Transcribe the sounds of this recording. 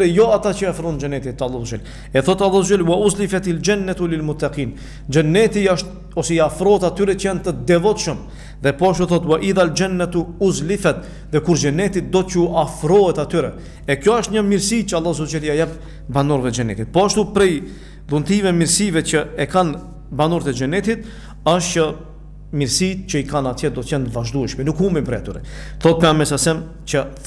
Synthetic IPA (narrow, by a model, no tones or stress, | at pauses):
ɾɛjɔat̪at͡ʃəafɾɔnd͡ʒənɛt̪it̪ːalːˠazud͡ʒa̰l | ɛθɔt̪alːˠazud͡ʒalwauzlifat̪ild͡ʒanːat̪ulilmut̪ːaqiːn | d͡ʒənːɛt̪iaʃt̪̚ | ɔsɛiafɾɔɛt̪at̪yɾɛt͡ʃəjant̪əd̪ɛvɔt̪ʃəm | ðɛpɔaʃt̪uθɔt̪waʔiðald͡ʒanːat̪uuzlifat̪ | ðɛkuɾd͡ʒənɛt̪it̪̚d̪ɔcuʔafɾɔɛt̪at̪yɾɛ | ɛkjɔəʃt̪ɲəmiɾsit͡ɕəalˠːazɔd͡ʒɛliajap | banɔɾvɛd͡ʒɛnɛ̰t̪it̪̚pɔaʃt̪upɾɛj | ðunt̪ivɛmiɾsivɛt͡ʃəɛkan | banuɾt̪ɛd͡ʒɛnɛt̪it̪ | aʃtt͡ʃə | miɾsit̪cəikanat̪jɛd̪ɔt̪cɛnt̪vaʒd̪uɛʃmɛnukumbimpɾɛat̪yɾɛ̰θɔt̪̚pɛamɛsasɛm | t͡ʃə